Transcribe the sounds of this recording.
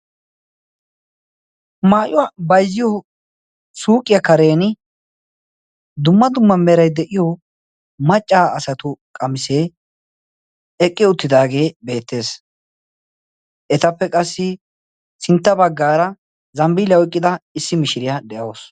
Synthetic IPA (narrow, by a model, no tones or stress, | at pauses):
maːʔʊwabɐjzːɪjɔ | suːkʼːɪjɐkɐɾe̞ːnɪ | d̪ʊmːɐd̪ʊmːɐmɛɾɐjd̪ɛʔɪjɔ | mɐt͡ʃʼːaːɐsɐt̪ʊkʼɐmɪseː | ɛkʼːɪʊt̪ːɪd̪aːɡe̞ːbe̞ːt̪ːe̞ːs | ʔɛt̪ɐpːɛkʼɐsːɪ | sɪnt̪ːɐbɐɡːaːɾɐ | zɐmbɪlɐwɪkʼːɪd̪ɐɪsːɪmɪʃɪɾɪjɐd̪ɛʔɐos